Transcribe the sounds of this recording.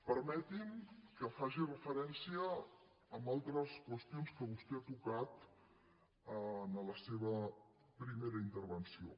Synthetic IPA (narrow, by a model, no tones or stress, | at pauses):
pəɾmɛt̪imkəfaʒirəfəɾɛnsiəː | mbalˠt̪ɾəskwəst̪ionskəβust̪ɛat̪ukat̪ | ənələseβ̞ə | pɾimeɾəint̪əɾβənsio